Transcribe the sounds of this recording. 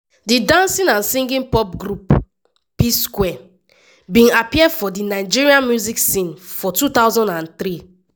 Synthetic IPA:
didãnsĩnãnsĩŋɡĩnpɔpɡɾup | piskwɛ | bĩnapiɛdfɔdinaɪd͡ʒiɹiãnmjuziksĩnfɔtut̪awzɔ̃ndãnt̪ɾi

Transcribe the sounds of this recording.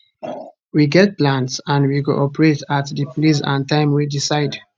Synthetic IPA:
wiɡɛt̚plãntsãnwiɡo̰ʔɔpəɹetatðɨplis̬ã̰ntãɪ̃mwidisaɪd

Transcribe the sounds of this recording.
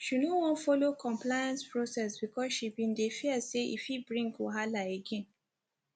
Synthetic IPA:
ʃunowɔ̃nfɔlokɔ̃mplaɪjãnspɹosɛsbikɔsʃibĩndefiəseʔḭfhibɹĩŋkwɔɦalaeɡɛ̃n

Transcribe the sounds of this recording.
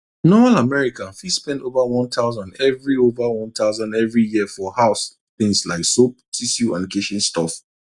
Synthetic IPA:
nɔmalamɛɹikãnfispɛ̃ntovawɔ̃nt̪ʰaʊzãndɛvɹiovawɔ̃nt̪ʰaʊzãndɛvɹijiəfɔhaʊs | θɪ̃ŋslaɪksop̚tʰisiua̰plikʰeʃɔ̃nstʰɔf

